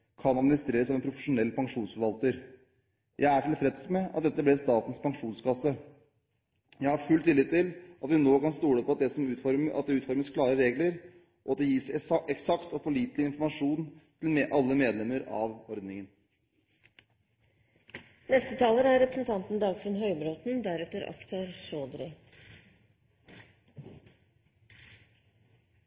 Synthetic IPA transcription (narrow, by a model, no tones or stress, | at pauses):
kʰɑnɑd̪mɪnɪst̪ɾeːɾəsɔmɛnpʰɾʊfəʂʊnɛlːpʰɑŋʂuːnsfɔɾʋɑlt̪əɾ | jʔæɪæʈʰɪlfɾɛd̪smɛʔɑ̰t̪̚d̪ɛt̪ːəblɪst̪ɑːt̪n̩spɑŋʂuːnskʰɑsə | jæɪhɑɾfʉlt̪ʰːɪliːt̪ʰːɪlʔɑt̪ʋɪnoːkɑnst̪uːɽəpʰɔɑt̪d̪ɛsɔmʉːfɔɾʔɑ̰t̪̚d̪ɛʉːt̪fɔɾməskʰlɑːɾəɾeːɡləɾ | ʔɔɑt̪̚d̪ɛjiːsɛksɑkt̪ɔpʰɔliːt̪lɪɪnfɔɾmɑʂuːnt̪ʰɪlmeʔɑlːəmeːd̪lɛmːəɾɑ̰ʋɔɾd̪nɪŋən | nɛst̪ət̪ʰɑːləɾæɾɛpɾəsnt̪ʰɑnt̪n̩d̪ɑːɡfənɦœʏbɾoːt̪nd̪æɾɛt̪əɾɑ̰kt̪ʰɑɾsoːd̪ɾɪ